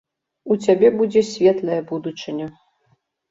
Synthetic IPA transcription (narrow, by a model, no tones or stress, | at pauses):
ut͡sʲabʲɛbud͡zʲɛsʲvʲɛt̪lˠɐjɐbud̪ut͡ʂɨnʲɐ